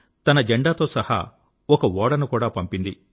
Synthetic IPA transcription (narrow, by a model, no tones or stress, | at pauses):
t̪ɐnɐd͡ʒeɳɖaːt̪o̞ːsɐha̰ | ɔkɐʋɔːɽɐnukuːɽaːpɐmpind̪i